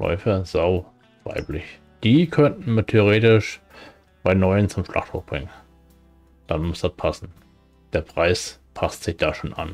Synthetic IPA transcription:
lɔ̰ʏfɐz̥aʊ | va̰ɪplɪç | d̥iːkʰœntn̩miːtʰeʊʁ̞eːtɪʃ | b̥aɪnɔʏənt͡sʊmʃlʔa̰χtʰʊ̰fb̥ʁɪŋən | d̥anmʊsd̥at̚pʰasn̩ | d̥eːɐpʁ̥aɪspʰastz̥ɪçd̥aːʃoːnʔa̰n

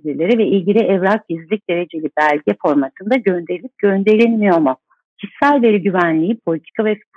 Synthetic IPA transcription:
iɾlʲe̞ɾivɛilʲɟilʲiʔɛvɾak̚ɟizlʲic̚d̪̥e̞ɾe̞d͡ʒelʲibælʲɟɛfo̞ɾmat̪ʰɯnd̪aɟø̞nd̪e̞ɾilʲip̚ɟ̥ø̞nd̪e̞ɾʲinmijo̞mʊ | cisːælʲve̞ɾiɟyvænlʲiːpʰo̞lʲit̪ʰi̥kʰavɛ

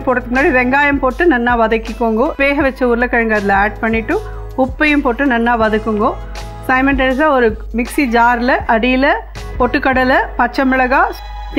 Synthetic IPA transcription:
poɽt̪ːɯmʊnːaːɽiʋɛŋɡaːjɐmpoːʈːɯnɐnːaːʋɐðɐkːɪkːoːŋɡoːʋeːɣɐʋɛt͡ʃːɐuːɾɪlɐkɐɻɐŋɡɐɐðɪlɐaːɖ̚pɐɳːɪʈːɯ | ʊpːɐjɯmpoʈːɯnɐnːaːʋɐðɯkːɯŋɡoː | sɐɪmɛnʈɐns̬aːɔɾɯmɪksid͡ʒaːɾlɐʔɐɽɪjɪlɐ | pɔʈːɯkːɐɽɐlɐpɐt͡ʃːɐmɪɭɐɣaː

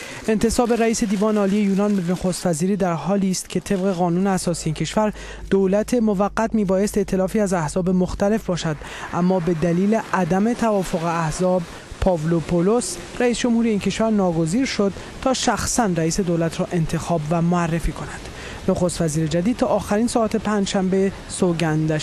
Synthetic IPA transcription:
e̞nt̪e̞sɒːbe̞ɾæiːse̞d̪iːvɒːneɒːlijejuːnɒnbenoxost̪væziːɾiːd̪æɾɦɒːliːst̪cʰe̞t̪ʰe̞bɣe̞ɣɒːnuːneæsɒːsieiːncʰe̞ʃvæɾ | d̪̥oːlæt̪ʰe̞mo̞væɣːæt̪miːbɒːje̞st̪e̞ʔt̪ʰelɒːfiːæzæhz̥ɒːbe̞mo̞xt̪æle̞fbɒːʃæd̪ | ʔæmːɒːbe̞d̪æliːle̞ʔæd̪æme̞t̪ʰævɒːfo̞ɣe̞æhzɒːb | pʰɒvlopʰolos | ɾæiːsd͡ʒo̞mhuːɾieiːncʰe̞ʃvæɾnɒːɡo̞ziːɾʃo̞d̪̚ | t̪ʰɒːʃæxsænɾæiːse̞d̪olæt̪ʰɾɒːʔe̞nt̪ʰe̞xɒːbvæmoærːefiːkʰo̞næd̪̥ | noxost̪væziːɾe̞d͡ʒæd̪id̪̚t̪ʰɒːʔːxæɾinsɒːæt̪e̞pʰænd͡ʒʃæmbe | soɡænd̪æ

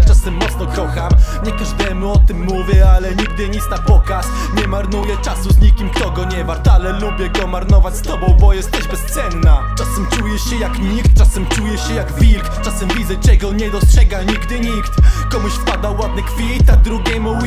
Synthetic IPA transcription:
t͡ʂasɛmːɔt̪snɔkɔxamɲɛkaʐd̪ɛmuɔt̪ɘmːuvʲjɛalɛɲiɡ̚d̪ɘɲit̪snapɔkas | ɲɛmaɾnujɛt͡ʂasuzɲikʲimkt̪ɔɡɔɲɛvaɾt̪alɛlubʲjɛɡɔmaɾnɔvat͡ɕst̪ɔbɔ̃w̃bɔjɛst̪ɛʑbɛst̪sɛnnat͡ʂasɛmt͡ʂujɛɕɛjakɲikt̪̚t͡ʂasɛmt͡ʂujɛɕɛjaɡvʲilkt͡ʂasɛmvʲid̪zɛt͡ʂɛɡɔɲɛd̪ɔstʂɛɡaɲiɡd̪ɘɲikt̪kɔmuɕfpad̪awad̪̚nɛkfʲit̪ad̪ɾuɡʲɛmu

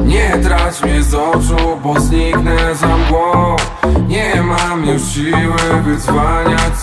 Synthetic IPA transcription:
ɲɛt̪ɾat͡ɕmʲjɛzɔt͡ʂubɔzɲiknɛzamɡwɔfɲɛmamjuʂɕiwɘvɘzvaɲa

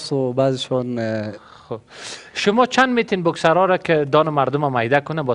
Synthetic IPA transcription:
sʊbazɪʃɔn | xoʃʊmɔt͡ʃʰand̪met̪inbʊksaɾɔɾakɪd̪ɔnʊmaɾd̪ʊmamajd̪akʊnabɔ

